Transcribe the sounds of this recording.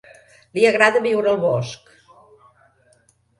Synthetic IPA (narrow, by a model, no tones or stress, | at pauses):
liəɣɾaðəβiwɾəlˠβɔsk